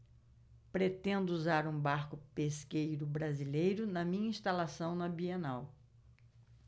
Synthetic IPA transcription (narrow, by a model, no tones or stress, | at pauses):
pɾet̪ẽnd̪ʊuzaɾũbaɾkʊpeskejɾʊbɾazilejɾʊnɐmĩɲɐĩst̪alasɐ̃w̃nɐbienaw